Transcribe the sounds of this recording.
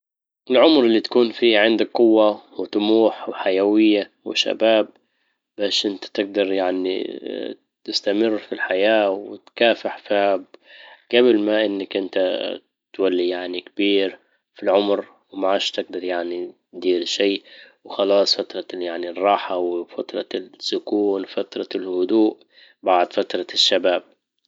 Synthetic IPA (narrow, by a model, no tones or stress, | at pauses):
ʔɪlʕʊmɾɪlːit̪ḁkuːnfiːhʕɪnd̪ak̚qʊwːawɪt̪ˤʊmuːħwħajawɪjːa | wɪ̰ʃa̰baːb̚ː | aːʃʔɪnt̪ḁt̪ɪɡ̚d̪ɑɾˤjaʕnḭ | t̪ɪst̪amɪrːfilħajaːwɪ̰t̪kaːfɪħfahb̚ɡ̥abɪlmaʔɪnːakʔɪnt̪a | t̪walːijaʕnikbiːɾ | filʕʊmɾ | wmaʕaːʃt̪ɪɡ̚d̪ɑɾˤjaʕni | d̪iːɾʃiːwɪxɑlɑːsˤfat̪ɾˤɑjaʕnirˤːɑːħawfat̪ɾˤɑsːʊkuːnfat̪ɾˤɑlhʊd̪uːʔ | baʕd̪fat̪ɾˤɑʃːabaːb̚